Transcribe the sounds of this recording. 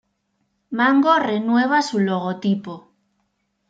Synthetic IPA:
mãŋɡorenwe̞β̞asuloɣ̞ot̪ipo

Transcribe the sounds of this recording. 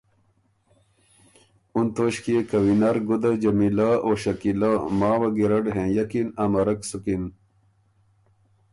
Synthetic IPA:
unt̪oːɕkiekɐwinaɾɡud̪ad͡ʑɐmilaoːɕɐkilamaːwɐɡiɾɐɖɦẽːjɐkinamɐɾɐksukin

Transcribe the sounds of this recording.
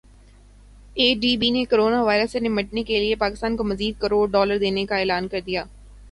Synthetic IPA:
eːɖiːbinekoɾoːnaʋaːɪɾəsːenɪməʈnekeliepaːkɪst̪aːnkomɐziːd̪̚kɐɾoːɽɖɔːləɾd̪eːnekaɛːlaːnkɐɾd̪ijaː

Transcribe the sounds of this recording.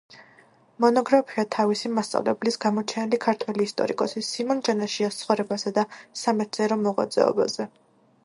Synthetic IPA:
mɔnɔɡɾapʰiat̪ʰavisimast̪sʼa̰vlɛ̰blisɡamɔt͡ʃʰɛnilikʰaɾt̪ʰwɛliːst̪ʼɔ̰ɾḭkʼɔsisimɔnd͡ʒanaʃiast̪sʰχɔɾɛbasad̪asamɛt̪sɛɾɔmɔʁwa̰d̪z̥ɛ̰ɔ̰ba̰zɛ

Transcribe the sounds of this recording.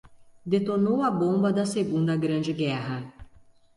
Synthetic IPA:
d̪et̪onowɐbõmbɐd̪ɐseɡũnd̪ɐɡɾɐ̃nd͡ʒɪɡɛɦɐ

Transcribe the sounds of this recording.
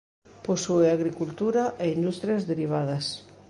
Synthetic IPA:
posueaɣɾikult̪uɾaʔeind̪ust̪ɾjɐzðeɾiβ̞aðɐs

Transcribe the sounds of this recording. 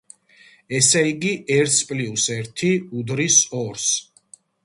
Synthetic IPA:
ɛsɛiɡiʔɛɾt̪ʰspʼliusɛɾt̪ʰiud̪ɾisɔɾs

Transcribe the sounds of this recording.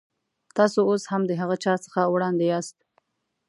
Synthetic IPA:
t̪ɑsooshamd̪əɦaɣət͡ʃɑt͡sə̥xawɽɑnd̪ejɑst̪̚

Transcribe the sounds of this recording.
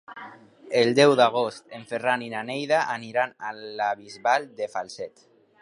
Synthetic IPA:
eld̪ɛwðaɣ̞ost̪eɱferaninanejðaʔaniɾanalaβizβald̪efalsɛt̪

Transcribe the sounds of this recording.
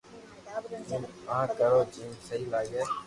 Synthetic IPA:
ɦʊməɦãːkəɾoːt͡ʃiːmsəɦiːlaːɡeː

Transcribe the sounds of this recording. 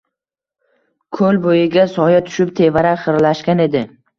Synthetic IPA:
kʰɵlbojɪɡʲasɒjat̪ʰʊ̥ʃɪp̚t̪ʰe̞vaɾaχɨɾlaʃkʲane̞d̪ɪ

